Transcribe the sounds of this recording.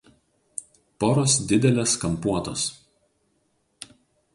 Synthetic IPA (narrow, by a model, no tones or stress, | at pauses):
poːɾosd̪ʲɪd̪ʲɛlʲeːskɐmpuɔt̪o̰s